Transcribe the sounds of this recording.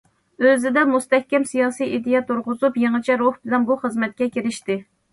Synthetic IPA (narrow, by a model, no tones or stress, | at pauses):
øzɪd̪ɛmust̪ɛhkʲɛmsijɑːsijʔid̪ɪjɛt̪ʰuɾʁʊzupjeŋɨt͡ʃʰɛɾohbɪlɛnbuχəzmɛt̪̚kʲɛkʲiɾɪʃt̪ɪ